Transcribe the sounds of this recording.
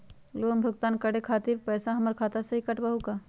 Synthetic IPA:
loːnbʱʊɡt̪aːnkəɽekʰaːt̪iɾpɛːsaɦɐməɾkʰaːt̪asɐɦikəʈbəɦukaː

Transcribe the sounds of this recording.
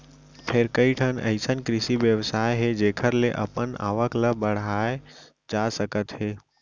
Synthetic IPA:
pʰeɾkəiʈʰənə̰ɪsənkɾɪsiʋjəʋsaːeɦed͡ʒeːkʰəɾleʔɐ̰pəna̰ːʋəkləbəɽ̤aːe | d͡ʒasəkət̪ɦeː

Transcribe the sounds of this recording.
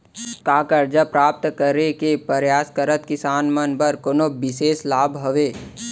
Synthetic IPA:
kaːkəɾd͡ʒapɾaːp̚t̪kəɾekepəɾjaːskəɾət̪kɪsaːnmənbəɾkoːnobɪseːslaːbʱɦəʋeː

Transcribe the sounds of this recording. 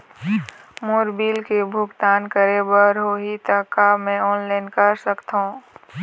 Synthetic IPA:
moːɾbiːlkebʱʊɡt̪aːnkəɾebəɾɦoːɦit̪əːkamẽɔːnlaːɪnkəɾsəkt̪ɦõː

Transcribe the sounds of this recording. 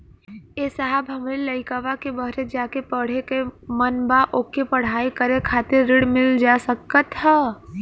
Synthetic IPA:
eːsaɦəbɦəmɾeləɪkəʋakebəɦɾed͡ʒaːkepəɽ̤ekemənbaʔoːkepəɽ̤aːikəɾekʰaːt̪ɪɾːɪɽmɪld͡ʒasəkːət̪ɦɛ

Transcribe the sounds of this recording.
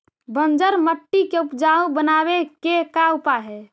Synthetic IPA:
bənd͡ʒəɾməʈːikeupd͡ʒaũbənabekekaupaɦɛ

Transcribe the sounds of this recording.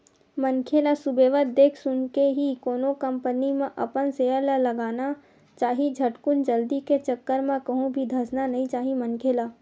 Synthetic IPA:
mənkʰeːlasʊbeːʋət̪̚d̪eːkʰsʊnkeɦikoːnokə̃mpənimẽʔɐ̰pənseːjəɾlaləɡaːna | t͡ʃaːɦid͡ʒʱəʈkʊnd͡ʒəld̪iket͡ʃəkːəɾmẽkɐɦũbʱid̪ʱəsnanɐɦĩt͡ʃaːɦimənkʰeːlaː

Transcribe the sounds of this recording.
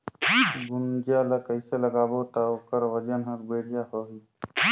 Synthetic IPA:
ɡʊnd͡ʒaləkəjseləɡaːbot̪aokəɾwəd͡ʒənɦəkbeːɽ̤ijahoɦi

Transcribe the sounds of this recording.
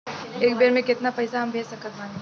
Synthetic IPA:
eːkbeːɾmẽkɪt̪napɐɪsaɦɐmbʱeːsɐkət̪̚mãːn

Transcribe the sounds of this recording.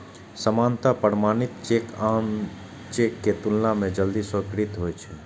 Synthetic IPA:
səmant̪apəɾmanit̪t͡ʃekam | t͡ʃekːet̪ulnamẽd͡ʒəld̪isəkɾit̪ɦojt͡ʃʰɛ

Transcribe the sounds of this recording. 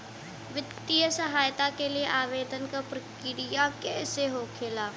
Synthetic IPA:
ʋɪt̪ːijəsɐɦaːjt̪akelieʔaːʋeːd̪ənkapɾɐkɪɾɪjakɛːseɦoːkʰeːlaː

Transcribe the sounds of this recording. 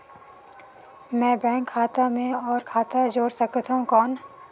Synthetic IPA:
mɛ̃ːbɛ̃ːŋkʰːaːt̪amẽɔːɾkʰaːt̪ad͡ʒoːɽsəkt̪ɦũkɔːn

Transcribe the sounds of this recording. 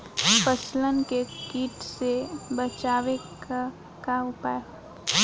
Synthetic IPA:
pəslənkekiːʈsebət͡ʃaːʋek | kaʊpaːe

